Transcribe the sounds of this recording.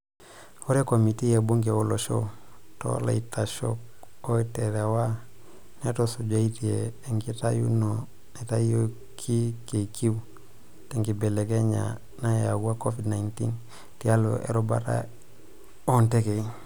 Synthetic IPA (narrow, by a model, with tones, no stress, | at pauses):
o˦ɾe˦ko˨mi˨ti˦je˨bo˦ŋɡe˨o˦lo˨ʃo̰˦to̰˦la̰˨i˨ta˨ʃo̰k̚o˦iteɾe˨wa˦ | ne˦to˨su˨ɟa˦i˦tieː˨ŋɡita˦ju˦no | ne˨ta˦io˦ | kʰi˦ke˨ki˦w | teŋɡi˨be˨le˨ke˦ɲa̰˨ | na˦ja˨ɡu˦a˦ko˦fidna˨intḭ˦n | tia˦lo̰ʔḛ˨ɾu˦ba̰˦ta̰˦ | o˦nte˦ke˨